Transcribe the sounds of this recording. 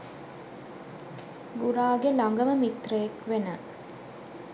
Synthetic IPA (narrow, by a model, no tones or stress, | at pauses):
ɡuɾaːɡelaŋɡəməmit̪rəjekʋenə